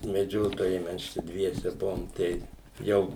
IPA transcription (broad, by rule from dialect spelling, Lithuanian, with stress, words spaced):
mʲɛˈd͡ʒʲoːtoːjɛɪ ˈmʲɛs ˈt͡ʃʲɛ ˈdʲʋʲiɛsʲɛ ˈbʊʋoːm ˈtɐɪ ˈjɛʊ